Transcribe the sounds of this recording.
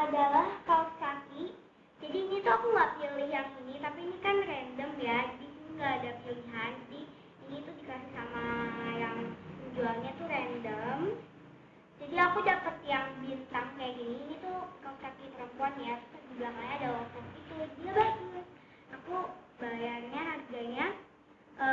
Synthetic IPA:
ʔadalahkalskaki | d͡ʒadiːnit̪uakuŋɡaʔpiliɦjaŋinit̪apiːnikanrɛndəmjad͡ʒaditŋɡaːdapiliɦand͡ʒadiː | nit̪udikasɪhsamajaŋməɲd͡ʒualɲat̪uɾɛndəm | d͡ʒadiakudakət̪jaŋbint̪aŋkajaɡiniːnit̪ukalukakipəɾəmpuanjḁt̪əd͡ʒublaɦlaɲaːdawakut̪̚it̪udiabaku | ʔaku | bajarɲaɦarɡaɲa | ʔə

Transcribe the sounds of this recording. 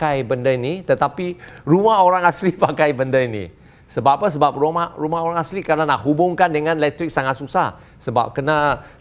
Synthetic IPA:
kajbəndəinit̪ət̪apirumaɦoɾaŋaslipakajbəndəinḭ | səbapəs̬əbap̚romarumahoɾaŋaslikarənanahɦubʊŋkandəŋãnlɛk̚t̪ɾɪk̚saŋat̪̚susah | səba̰p̚kəna

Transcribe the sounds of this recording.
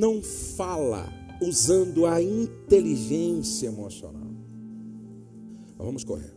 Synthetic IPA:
nɐ̃w̃falɐ̰uzɐ̃nd̪ʊɐĩt̪eliʒẽsiɐemosio̰na̰w | vɐ̃mʊsko̰hḛɾ

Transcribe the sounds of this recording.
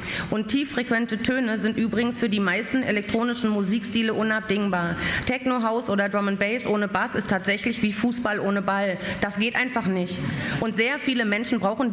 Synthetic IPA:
ʔʊntʰːiːfʁ̥ekv̥ɛntətʰøːnəzɪntʔyːbʁɪɡŋ̩sfyːɐdiːmaɪstn̩elɛk̚tʁ̥oːnɪʃn̩muziːkstiːləʔʊnap̚d̥ɪŋbaːɐtʰɛknoɦaʊsʔoːdɐdʁɔmənbɛɪsʔoːnəbasɪstʰaːtz̥ɛçlɪçv̥iːfuːsb̥alʔoːnəbald̥asɡ̥eːtʔaɪnfaχnɪçtʔʊntz̥eːɐfiːləmɛnʃn̩bʁaʊxn̩

